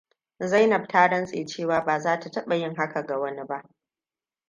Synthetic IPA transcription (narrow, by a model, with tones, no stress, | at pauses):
za˦jnɐ˨b̚taː˦ɽɐ˦nsʼeː˨t͡ʃeː˦˨waː˨baː˨zaː˦ta˨tɐ˦ɓa˨jɪ˦ŋɦa˦ka˨ɡa˨wɐ˦ni˦ba˦ʔ